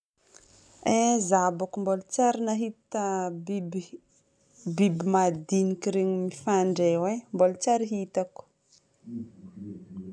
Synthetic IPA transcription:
ezabakumbolut͡ʃaɾinaɦit̪abibi | bibimad̪inikiɾeɲimifaɳɖ͡ʐewembolut͡ʃaɾiɦit̪aku̥

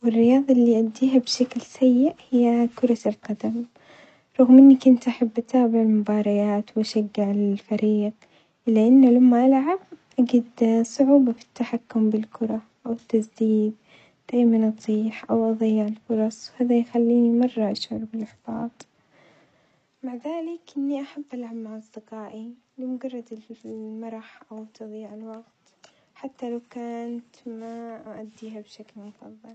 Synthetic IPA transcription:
wɪrːɪjɑːðˤɑʔlːiʔad̪ːiːɦabʃaklsajːɪʔhɪjːakʊɾˤɑlqɑd̪am | ɾˤuːɣmʔɪnːikʊnt̪ʔaħabːʔat̪ʰaːbɪʕɪlmʊbɑːɾˤɑjaːt̪wʔaʃaɡːɪʕɪlfaɾiːq | ʔɪlːaʔanːalamːaʔalʕab̚ʔaɡid̪sˤʊʕuːbafi̥t̪ːaħakːʊmbɪlkʊɾˤɑ | ʔawɪt̪ːasd̪iːd̪̚ | d̪̥aːjmanʔɑt̪ˤiːħʔawʔɑðˤɑjːɪʕɪlfʊɾˤɑsˤwhaːðajxalːiːnimɑrˤːɑʔaʃʕʊɾˤbɪlʔaħfɑːt̪ˤ | maʕðaːlɪkʔɪnːiʔaħabːʔalʕabmaʕɑsˤd̪ɪqaːʔi | lɪmʊɡɑrˤːɑd̪ɪmɑɾˤɑħʔawt̪ɨðˤiːʕɪlwɑɡt̪ | ħat̪ːalawkaːnt̪maʔaʔad̪ːiːɦabʃaklmʊfɑðˤːɨl

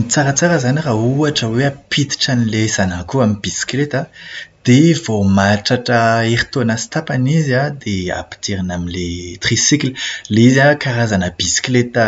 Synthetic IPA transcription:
nit͡saɾət͡saɾəzanirauaʈ͡ʂəweapʰit̪i̥ʈ͡ʂanilezanakuamibisi̥klet̪ad̪̥evomaʈ͡ʂaʈ͡ʂəeɾit̪onasi̥t̪apanizad̪ea̰pi̥t̪eɾinaminlet̪χisiklileizakaɾazanəb̥isi̥klet̪a

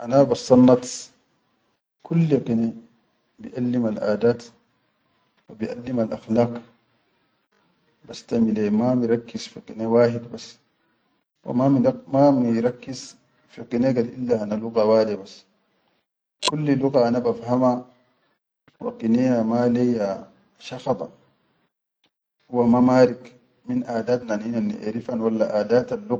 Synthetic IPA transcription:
ʔanabasˤɑnːɑt̪ | kulːiqine | bḭʔalːimalʔa̰ːd̪aːt̪ | wabiʔalːimalʔaxlaːq | bast̪amilemamiɾˤɑkːizfiqinewaːħid̪bas | wa̰mamimamiɾˤɑkːiz | fiqineɡadʔilːaʔanaluɣawaːd̪ibasː | kulːiluɣaʔanabafhama | wa̰qinejamaleja | ʃɑxɑd̪ˤɑ̰ | wamamaːɾik | minʔaːd̪aːt̪naninanːḭʔḛɾifanwalːaʔaːd̪aːt̪alːu

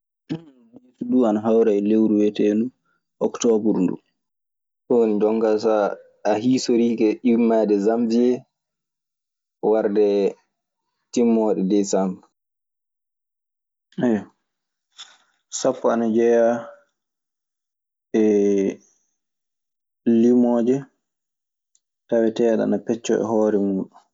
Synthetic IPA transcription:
esuɗuanaɦawɾajlewɾuwɛtɛndu | ʔɔktɔbuɾndṵ | tɔonid͡ʒɔŋkasa | aɦisoɾiːkɛʔimːadɛzamd͡ʒiɛ | waɾdɛ | timːɔːɗɛdɛsamb | ajɔ | sapːɔanad͡ʒɛja | ɛ | limɔːd͡ʒɛ | tawɛtɛaɗa̰napɛt͡ʃːɔ̰ɛ̰hɔːɾɛmuːɗu

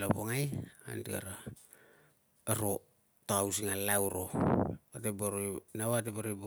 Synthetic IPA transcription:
lopoŋaja̰ntika̰ɾa | ɾo | toawsiŋalawɾoateboɾojnawateboɾobo

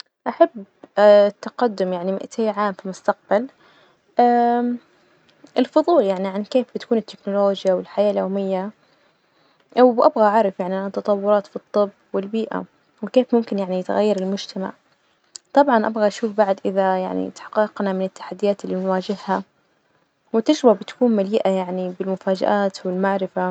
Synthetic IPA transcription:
ʔaħab | t̪ːaqad̪ːʊmjaʕnimɪ̰ʔt̪ʰeːʕaːmfimʊst̪aq̚b̥al | ʔaː | ʔɪlfʊðˤuːljaʕniʕankeːfbɪt̪akuːnɪt̪ːɪknʊloːd͡ʒjawɪlħajaːljoːmɪjːa | ʔwbʔabɣaʔʕɑɾˤɑfjaʕniʔanat̪ːɑt̪ˤɑwːʊɾˤɑːt̪fit̪ˤːɨbːwɪlbiːʔa̰ | wɪkeːfmʊmkɪnjaʕnijɪt̪ɣa̰jːɑɾˤɪlmʊd͡ʒt̪ʰama̰ʕ | t̪ˤɑbʕɑnʔa̰bɣaʔaʃuːfbaʕd̪ʔɪðaja̰ʕnḭt̪ḁħɑ̥qːɑqnamɪnɪt̪ːḁħad̪ːɪjaːt̪ɪlːiːnwaːd͡ʒɪɦːa | wɪt̪ɪd͡ʒɾbabɪt̪ḁkuːnmaliːʔajaʕnibɪlmʊfaːd͡ʒa̰ʔaːt̪wɪlmaʕɾɪfa

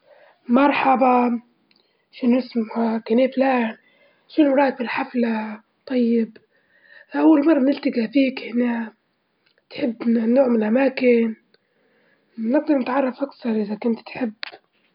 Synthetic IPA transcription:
mɑɾˤħɑbɑ | ʃɪnʔɪsmhakaneːflaːn | ʃɪnɾˤɑːt̪̚fɪlħafla | t̪ˤɑjːɪb | ʔawːalmɑrˤːɑmnɪlt̪aɡafiːkhɪna | t̪ħɪbːnoːʕmɪnʔamaːkɪn | nɪɡ̚d̪ɑɾˤnɪt̪ʕɑrˤːɑfʔakθɑɾˤʔɪðakʊnt̪t̪ħɪbː

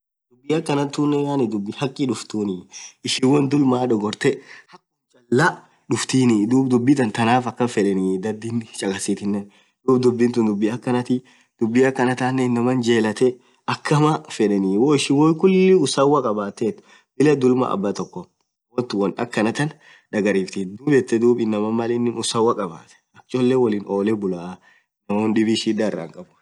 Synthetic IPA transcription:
d̪ʊbːiːɐkːɐnɐnt̪unːɛjaːnɪd̪ʊbːɪhɐkʼːɪᶑʊft̪uːnɪɪʃɪwɐnd̪ʊlmaːᶑɔɡɔɾt̪ɛhɐkʼːʊt͡ʃʼɐlːa | ᶑʊft̪iːnɪd̪uːb̚d̪ʊbːɪt̪ɐnt̪ɐnaːfɐkːɐfɛᶑɛnɪd̪ɐd̪ːint͡ʃʼɐkʼɐsiːt̪ɪnːɛ | d̪uːb̚d̪ʊbːɪnt̪ʊnd̪ʊbːiɐkːɐnɐt̪ɪ | d̪̥ʊbːiɐkːɐnɐt̪aːnːɛnːɐmɐnd͡ʒeːlɐt̪ɛ | ɐkʰːɐmɐfɛᶑɛniwoːɪʃɪwɔjkʊlːɪʊsɐwɐkʼɐbaːt̪ːɛt̪ː | b̥ɪlɐd̪ʊlmɐ̰ʔɐ̰bːɐt̪ɔkːɔ | wɔnt̪ʊwɐnɐkːɐnɐt̪ɐn | ᶑɐɡɐɾiːft̪ɪd̪uːbɛt̪ːɛd̪uːbɪnːɐmɐmɐlɛnːɪnʊsɐwɐkʼɐba̰ːt̪ɛ̥ɐkt͡ʃʼɔlːɛwɔliːnʔo̞ːlɛbʊla | nːɐmoːnɗɪbiʃiᶑaɛrːɐ̰ŋkʼɐbʊ

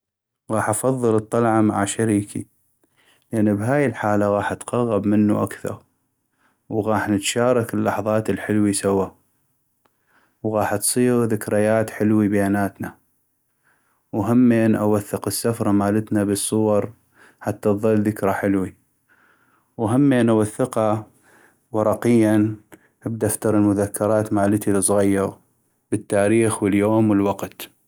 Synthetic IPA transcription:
ɣɑːħʔɑfɑðˤːɨlɨt̪ˤːɑlʕɑmaʕaʃaɾiːkʰḭ | lʔanːbɦaːjɪlħaːlaɣɑːħʔat̪qɑɣːɑbmɪnːuʔakθɑ̰ɾˤ | wɣɑːħnət̪ʃaːɾˤɑkɪlːɑħðˤɑːt̪ɪlħɪlwisawa | wɣɑːħt̪sˤiːɣðɪkɾɪjaːt̪ħɪlwibajaːnaːt̪na | wɦamːeːnʔa̰waθːɪqəsːafɾˤɑmaːlət̪nabɨsˤːʊwɑɾˤ | ħat̪ːaðˤɨlːðɪkɾaħɪlwi | wɦamːeːnawaθːɪqɑ | wɑɾˤɑqɪjːan | ʔɪb̚d̪aʔft̪ɑɾˤɪlmʊðakːɑɾˤɑːt̪maːlət̪ilɨsˤɣajːɑɣ | bət̪ːaːɾiːxwəljoːmwəlwɑqt̪

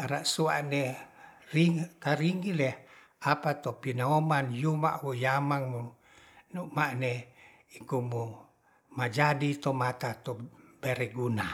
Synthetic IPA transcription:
aɾaʔsuaʔne | riŋkaɾiŋɡilɛh | apat̪opinaomanjuma̰ʔwujamaŋmu | numaʔne | ikumu | mad͡ʒadit̪omat̪at̪ɔbɛɾɛɡuna

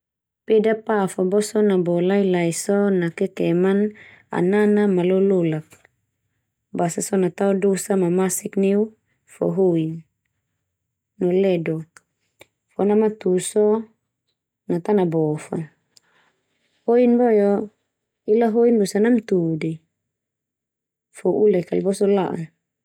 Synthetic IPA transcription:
pedapafɔbɔsɔnabɔlailaisɔnakɛkɛman | a̰nanamalɔlolak̚ | basasɔnat̪aɔdosamamasikniu | fɔ̰ɦoin | ɔlɛdɔ | fɔnamat̪usɔ | nat̪anabɔfa̰ | hoinbɔjɔ | ilaɦoinbosanamt̪udi | fɔʔulɛkalbɔsɔla̰ʔa

